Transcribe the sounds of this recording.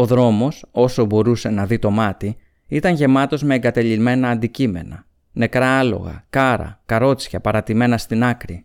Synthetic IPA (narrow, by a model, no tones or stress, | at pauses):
o̞ðɾo̞mo̞so̞so̞bo̞ɾuse̞nɐðit̪o̞mɐt̪i | it̪ɐɲʝe̞mɐt̪o̞zme̞ːŋɡɐt̪eʎime̞nɐːnd̪icime̞̰nɐ̰ | ne̞kɾɐːlo̞̰ɣɐ̰kɐɾɐ̰kɐɾo̞t͡sçɐpɐɾɐt̪ime̞nɐst̪inɐkɾi